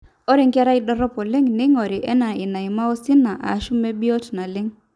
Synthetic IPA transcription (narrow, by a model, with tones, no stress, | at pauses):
o˦ɾe˦ŋka˦ɾa˦i˦ɗɔ˦ɾɔ˦pɔ˨lɪ˦ŋnɪ˦ŋɔ˨ɾɪ˨ʔɛ˦na˨ɪ˨na˨i˨ma˦o˦si˦na˨ʔa̰˨˦ʃu˦me˦bi˦o˦tna˨lɪ˦ŋ